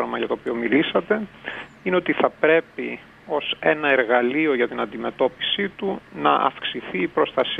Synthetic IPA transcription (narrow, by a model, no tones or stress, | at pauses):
ɾɐmɐʝɐt̪o̞ːpio̞milisɐt̪e̞ | ineo̞t̪iθɐpɾe̞pi | o̞se̞nɐeɾɣɐlio̞ʝɐt̪inɐnd̪ime̞t̪o̞pi̥sit̪unɐ̰ʔɐ̰fksiθiːpɾo̞st̪ɐs